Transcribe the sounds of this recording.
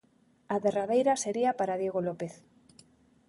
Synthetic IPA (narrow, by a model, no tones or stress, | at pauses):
aðeraðejɾaseɾiapaɾaðjeɣolopeθ